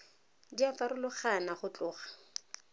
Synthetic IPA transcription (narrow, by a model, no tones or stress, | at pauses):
diafaɾʊlʊχanaχʊt͡ɬʊːχḁ